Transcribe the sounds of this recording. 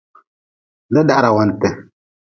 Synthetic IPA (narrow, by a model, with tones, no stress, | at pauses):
da˦da˦ʔɾa˨wa˨ntɛ˨